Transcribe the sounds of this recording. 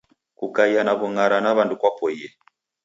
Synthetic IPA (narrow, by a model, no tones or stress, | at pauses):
kukaianaβuŋaɾanaβandukwapɔiɛ